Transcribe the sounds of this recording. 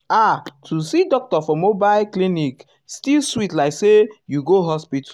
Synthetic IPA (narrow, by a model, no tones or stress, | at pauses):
atʰusidɔk̚tɔfɔmobaɪlklinik | stilswitlaɪksejuɡoɦɔspit